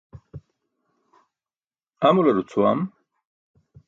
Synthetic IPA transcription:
amulɐɾut͡sʰuwam

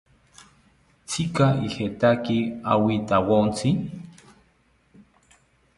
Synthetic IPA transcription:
t͡sikaihet̪akia̰wit̪awont͡si

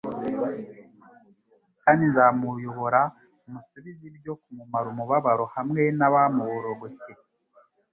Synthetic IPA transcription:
kaːndinzamujoβoɾa | umusuβizibjo̞kumumaɾumuβaβaɾo̞hamŋe̞naβamuβoɾoɡoci

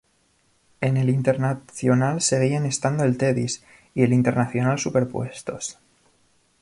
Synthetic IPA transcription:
e̞ne̞lint̪e̞ɾnaθjo̞nalse̞ɣ̞iane̞st̪and̪oe̞lt̪e̞ðḭs | ie̞lint̪e̞ɾnaθjo̞nalsupe̞ɾpwe̞st̪o̞s

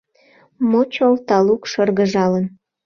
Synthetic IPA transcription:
mot͡ɕolt̪ɑlukʃərɣəʒɑlən

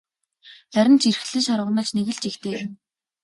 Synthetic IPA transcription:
tæɾʲɪ̆nt͡ɕirxɮɘ̆nʃaɾə̆ʁ̆nə̆ːɮt͡ɕneɣɘ̆ɮt͡ɕixt̪ʰeː

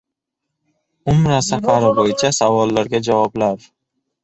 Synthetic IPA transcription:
ʊmɾasafaɾabojɪt͡ʃʰasavɒlːaɾɡʲad͡ʒavɒblaɾ

